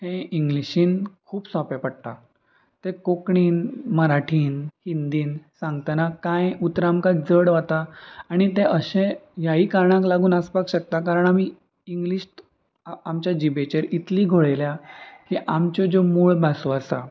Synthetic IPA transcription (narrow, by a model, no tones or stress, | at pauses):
ɦẽiŋɡliɕiːnkʰuːpsɔpepəɽt̪a̰ | t̪ekokɳiːnməɾaʈʰiːnhind̪iːnsãŋɡt̪anakãjut̪ɾamkad͡zəɽʋat̪aːɽ̃it̪eʔəɕẽjaɦiːkaɾɳãklaɡuːnaspakɕək̚t̪ak̬aɾəɳamiː | iŋɡliɕ | amt͡ɕjad͡ʑibet͡ɕeɾit̪liːɡʱoɭeljakiʔamt͡ɕod͡ʑomuːɭbʱasoasa̰